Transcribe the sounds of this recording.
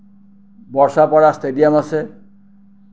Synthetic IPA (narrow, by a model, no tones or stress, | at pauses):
bɔɹsapɔɹast̪edijamase